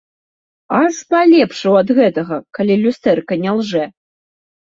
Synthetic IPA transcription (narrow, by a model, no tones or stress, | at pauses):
aʂpalʲɛpʂɨwɐd̪ɣɛt̪ɐɣɐkalʲilʲust̪ɛrkɐnʲɛlˠʐɛ